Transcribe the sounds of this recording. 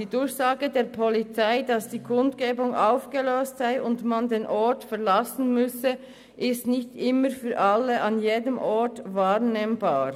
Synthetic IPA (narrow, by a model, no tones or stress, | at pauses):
d̥iːdʊɾçsaːɡədeːɐpʰɔlit͡saɪdɑsd̥iːkʰʊndɡ̥eːbʊŋʔaʊfɡ̥əløːstz̥aɪʔʊntmandeːnʔɔɹtfɛʁlasn̩mʏsə | ʔɪstnɪçtʔɪməɾfyːɐʔalːəʔɑnjeːdəmʔɔɹtvaːʁneːmbaːʁ